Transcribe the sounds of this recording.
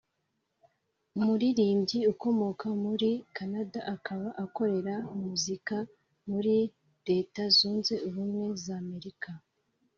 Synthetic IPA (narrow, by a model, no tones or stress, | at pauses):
umuɾiɾiːmɟiuko̞mo̞kamuɾikʰanadaʔakʰaβaʔako̞ɾe̞ɾamuzika | muɾi | ɾe̞ːtazuːnze̞uβumŋwe̞zame̞ɾika